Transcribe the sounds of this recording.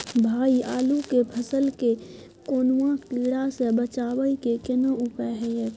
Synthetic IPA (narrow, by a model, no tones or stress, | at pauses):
bʱaːiaːlukepʰəsəlke | koːnwãkiːɽasebət͡ʃaːwəikekɪnəupəɦɛj